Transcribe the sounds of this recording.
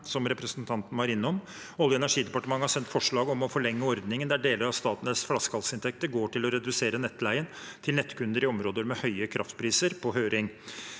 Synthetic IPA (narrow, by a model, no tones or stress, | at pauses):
sɔmɾɛpɾəsənt̪ʰɑnt̪n̩hɑɾɪnːɔm | ɔlːəɛnæʂiːd̪ɛpɑʈəmɑŋːəhɑsɛnt̪fɔʂɭɑːɡɔmɔfɔɭɛŋːəɔɾd̪nɪŋənd̪æɖeːləɾɑʋst̪ɑːt̪ənəsflɑskʰɑlsɪnt̪ʰɛk̚t̪əɾɡoːʈɪlɔɾɛd̪ʉseːɾənɛt̪ːlæɪənt̪ʰɪlnɛt̪ːkʰʉnd̪əɾɪɔmɾoːd̪əɾmɛhœʏəkʰɾɑ̰ft̪pʰɾiːsəɾpʰɔɦøːɾɪŋ